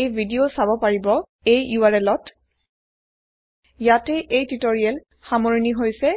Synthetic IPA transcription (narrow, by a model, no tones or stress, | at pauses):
ejbʱidiosabɔpaɹibɔ | ejjuaɹɛlɔt | jatɛʔejtitoɹiɛl | xamoɹiniɦojsɛ